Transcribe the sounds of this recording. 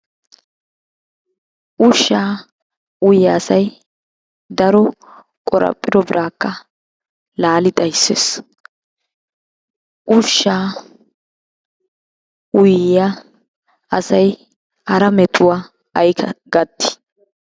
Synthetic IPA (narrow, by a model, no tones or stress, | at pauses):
ʔʊʃːaː | ʊjːɐːsɐj | d̪ɐɾɔ | kʼɔɾɐ̰pʼːɪd̪ɔbɪɾʔaːkːɐ | laːlɪt̪ʼɐjsːḛːs | ʔʊʃːaː | ʊjːa | ɐsɐj | ɐɾɐmɛt̪ʼʊwaː | ɐjkʰɐɡɐt̪ːɪ̥